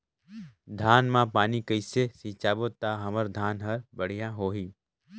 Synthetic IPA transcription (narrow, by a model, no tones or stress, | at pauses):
d̪ʱaːnmãpaːnikəɪsesiːt͡ʃaːbot̪aːɦɐməɾd̪ʱaːnɦɐɾbɐɽ̤ijãɦoːɦiː